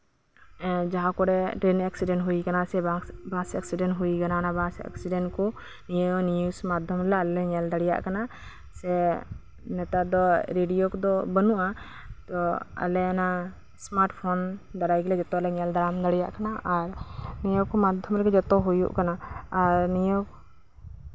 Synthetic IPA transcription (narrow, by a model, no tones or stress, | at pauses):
d͡ʒaɦãkɔɾɛʈɾenɛksiɖɛnɦujkanasɛbãsɛksiɖɛnɦujkananabãsɛ̰ksiɖɛnkɔ | nijənijusmad̪ʱjɔmɾɛlaalɛɛɲɛld̪aɽɛja̰ʔkana | sɛ | nɛt̪ad̪ɔɾeɖijokɔd̪ɔbənuʔa | t̪ɔa̰lɛana | smaɾʈpʰɔnd̪aɽajɡɛlɛd͡ʒɔt̪ɔalɛɲɛld̪aɾamd̪aɽijaʔkanaʔaɾnijəwkɔmad̪ʱjɔmɾɛɡɛd͡ʒɔt̪ɔɦujṵʔkanaːɾnijəw